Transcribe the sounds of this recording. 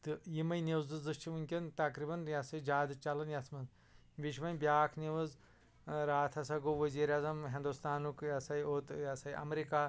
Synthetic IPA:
t̪ɨjimɐjneʋzɨzɨst͡ʃʰiʋunʲkʲɐnt̪ɐkɾibɐnjasɐd͡ʒaːd̪ɨt͡ʃɐlɐnjɐsʰmɐz | ʋiʃʋɐnʲbʲjaːkʰniʋɐz | ɾaːt̪ʰɐsɐɡoʋɐziːɾjaːzɐmɦĩnd̪ust̪aːnukjɐsɐjot̪jasɐiʔɐ̰mɾikaː

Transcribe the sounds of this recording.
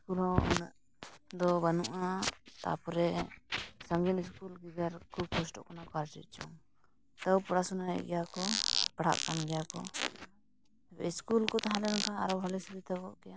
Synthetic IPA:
skulɦɔnə̰ʔ | d̪ɔbanuʔat̪a̰pɔɾɛ | saŋɡit̪iskulɡiɡaɾkʰub̚kʰɔsʈɔ̰ʔkɔnakaɾt͡ʃḭt̪̚t͡ʃɔŋ | t̪əwpɔɽasunajɛ̰ʔɡɛjakɔpaɽ̤a̰ʔkanɡɛjakɔ | bɛiskulkɔt̪aɦãlɛnka̰ːɾɔbʱalɛsbit̪əbɔ̰ʔkɛja

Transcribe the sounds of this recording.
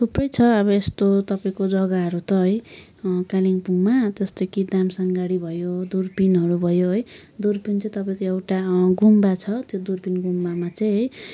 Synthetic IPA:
t̪ʰuprʌjt͡sʰʌʌβʌest̪ot̪ʌpaĩkod͡zʌɡaɦʌɾut̪ʌɦʌj | kaliŋpuŋmat̪ʌst̪okid̪amsʌŋɡaɽibʱʌjod̪urpinɦʌɾubʱʌjoɦʌjd̪urpint͡sʌj̃t̪ʌpaĩkoewʈaɡumbat͡sʰʌt̪jod̪urpinɡumbamat͡sʌj̃ɦʌj

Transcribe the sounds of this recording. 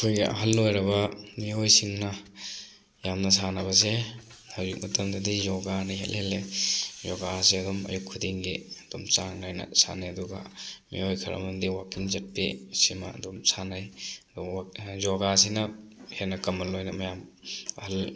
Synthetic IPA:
kʰujɡḛʔɐ̰ɦɐlːojɾɐbɐmiojsiŋnɐ | jamnɐs̬anɐbɐs̬e | hawzik̚mutɐmdadizɔɡanɐɦḛlhelːezɔɡasiɐdɔmɐ̰jukʰːudiŋɡeɐd̥omt͡ʃaŋnajnɐ̰sa̰najɐduɡɐ̰mḭojkʰɐɾɐ̰mɐndiwakiŋzɐt̚pesimɐ̰domsanajɐdɔzɔɡas̬inɐhenɐkɐmːɐlːojnɐmɐjamɐhɐl

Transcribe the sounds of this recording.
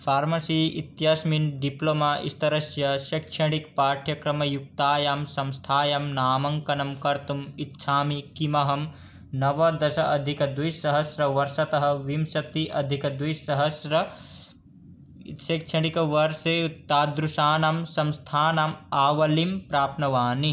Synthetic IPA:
fʰaːɾmɐsiːit̪jasminɖiplomaːʔḭst̪ɐɾɐʃjɐʃɐkt͡ʃʰɐɽ̃ikpaːʈʰjɐkɾɐmɐjuk̚t̪aːjaːmsɐmst̪ʰaːjɐmnaːmɐŋkɐnɐmkɐɾt̪umit̪ːʃʰaːmikimɐɦɐm | nɐʋɐd̪ɐʃɐʔɐd̪ʱikɐd̪ʋisɐɦɐsɾɐʋɐɾʃɐt̪ɐɦɐ̆ʋimsɐt̪iʔɐd̪ʱikɐd̪wisɐɦɐsɾɐ | ʃɐkt͡ʃʰɐɽ̃ikɐʋɐɾsɐjut̪ːaːd̪ɾuʃaːnamsɐmst̪ʰaːnaːmaːʋɐlimpɾaːpnɐʋaːni

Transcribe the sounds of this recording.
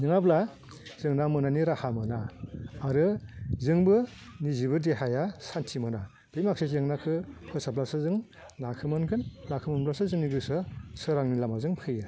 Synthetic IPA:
nɯŋabla | zɯŋnamɯnaniɾahamɯnaː | ɾɯzɯŋbɯ | nizibɯdeɦajasantʰimɯna | b̥ɾimaksezeŋnakʰɯpʰɯsaplasɯzɯŋ | nakʰɯmɯnkʰɯnlakʰɯmɯnblasɯzɯŋniɡɯsɯsɯɾaŋnilamazɯŋpʰɯjɯ

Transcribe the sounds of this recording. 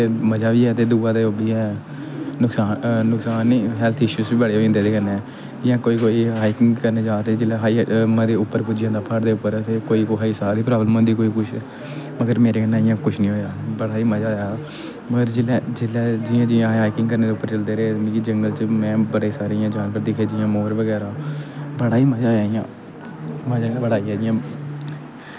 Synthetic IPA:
eməd͡ʒaːʋiːɛːt̪eːd̪uːãːd̪eoːbɽiːɛ̃ | nʊksaːnʊksaːniːɦɛːlt̪ʰɪʃuːsbiːbəɽeːɦoːɪ̃nd̪eːd̪eːkəɾneɛː | d͡ʒɪjãːkoːiːkoːiːɦaːikɪŋɡkəɾneːd͡ʒaːt̪ed͡ʒɪlɛːɦaːiːmãd̪eːʊpːəɾpʊːd͡ʒɪjãːd̪aːpʰəɽd̪eːʊpːəɾt̪eːkoːiːkoɦaisaːd̪iːpɾaːbəlmə̃nd̪iːkoːiːkʊt͡ʃʰː | məɡəɾmeːɾeːənãːɪjãːkʊt͡ʃʰnĩːɦoːjaːbəɽaːiːməd͡ʒaːja | məɡəɾd͡ʒɪlɛd͡ʒɪlɛːd͡ʒɪːãːd͡ʒɪjãːaːɪkɪŋɡkəɾneːd̪eʊpːəɾt͡ʃəld̪eːɾeemikid͡ʒəŋɡəlt͡ʃmɛ̃ːbəɽeːsaːɾiːjãːd͡ʒaːnʋəɾd̪ɪkʰeːd͡ʒɪjãːmoːɾʋəɡɛːɾãːbəɽaːiːməd͡ʒaːaːijãː | məd͡ʒaːãbəɽaːiːaːd͡ʒɪjãː

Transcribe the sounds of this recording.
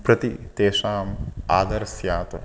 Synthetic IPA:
pɾɐt̪it̪eːʃaːmaːd̪ɐɾsjaːt̪ɐ

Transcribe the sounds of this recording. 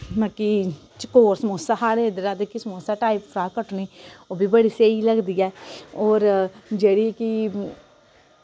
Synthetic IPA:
mãkit͡ʃkoːɾsmoːsaːɦaːɽeːd̪əɾaːd̪ekismoːsaːʈaːipfɾaːkəʈniːoːbʱiːbəɽiːseːiːləɡd̪iːɛːɔːɾd͡ʒeːɽiːki

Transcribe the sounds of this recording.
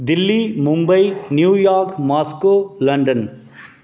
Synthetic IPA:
d̪ilːimʊmbɐjnjuːjaːɾkmaːskoːlɐɳɖɐn

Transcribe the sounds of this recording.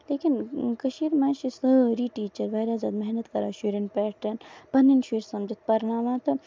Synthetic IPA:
leːkinkɐʃiːɾmãːʃisəɾiːʈiːt͡ʃɐɾʋɐːɾaːzaːd̪meɦnɐt̪kɐɾa̰ːʃuːɾinpɛːʈɐnpɐnːinʃiːɾsɐmd͡ʒɐt̪pɐɾnaːmat̪ɐ

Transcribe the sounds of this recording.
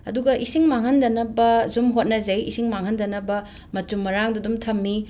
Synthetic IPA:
ɐ̰duɡɐʔisiŋmaŋɦɐndɐnɐbɐzumɦot̚nɐzɐjisiŋmaŋɦɐndɐnɐbɐ | mɐt͡ʃumːɐɾaŋdɐdumtʰɐmːi

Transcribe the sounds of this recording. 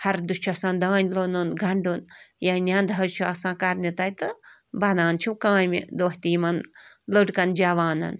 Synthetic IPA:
hɐɾd̪ut͡ʃʰɐsãːnd̪aːnʲlonunɡʱɐɳɖunjanʲãːnd̪ʱɐt͡ʃʰuɐsãːkɐɾnʲit̪ɐjt̪ɨ | bɐnaːnt͡ʃʰukãːjmḭd̪oːht̪iːmɐn | lɨɖkɐnd͡ʒaʋaːnɐ̰n

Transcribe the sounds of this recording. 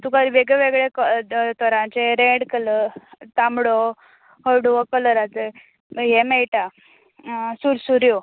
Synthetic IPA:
t̪ukaɾʋeɡɭeʋeɡɭekət̪ɔɾãt͡ɕeɾẽɽkələɾt̪amɽo | həɽʋɔkələɾat͡se | jɛmɛjʈa | suɾsuɾjo

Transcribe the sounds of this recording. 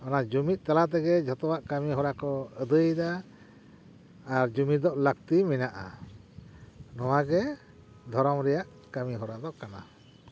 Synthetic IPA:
ɔnad͡ʒumit̪̚ˀt̪alat̪̬ɛɡɛd͡ʒʱɔt̪ɔwaʔkəmiɦɔɾakɔəd̪əjd̪a | ɾd͡ʒumid̪ɔʔlək̚t̪iminaʔa | nɔwaɡɛ | d̪ʱɔɾɔmɾɛjaʔ | kəmiɦɔɾad̪ɔʔkana

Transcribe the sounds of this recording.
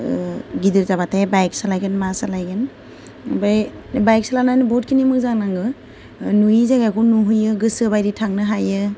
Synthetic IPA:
ɡidɯɾzaβatʰajbajk̚salajɡɯnmasalajɡɯn | bajbajksalanajnɯbɔt̚kʰinimɯk̚zaŋnaŋɡɯ | nuizaɡakunuɦɯjɯɡɯsɯbajɾitʰaŋnɯɦajɯ

